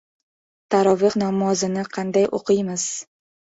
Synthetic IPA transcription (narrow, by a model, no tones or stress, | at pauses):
t̪ʰaɾɒvɨqnamɒzɪnɪqʰɑnd̪ajʔo̰qʰɨjmɪz̥